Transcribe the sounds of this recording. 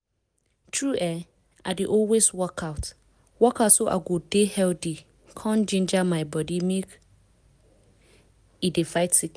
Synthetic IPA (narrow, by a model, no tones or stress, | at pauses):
tʰɹuʔɛ | adeʔɔlweswɔkʰaʊt | wɔkʰaʊtsoʔa̰ɡodehɛldi | kʰãnd͡ʒĩnd͡ʒamãɪbɔdimek | idefaɪtːik